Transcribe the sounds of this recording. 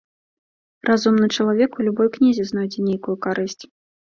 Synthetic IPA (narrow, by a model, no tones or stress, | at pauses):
rʔazumnɨt͡ʂɐlˠavʲɛkulʲubɔjknʲizʲɛznawd͡zʲɛnʲejkujukaɾɨsʲt͡sʲ